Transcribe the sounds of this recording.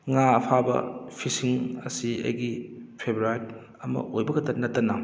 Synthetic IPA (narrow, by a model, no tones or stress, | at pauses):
ŋaɐpʰabɐ̰pʰisiŋɐ̰siɐ̰jɡipʰebɾuaɾ | ɐmɐ̰ʔojbɐɡɐtɐnɐtːɐnɐ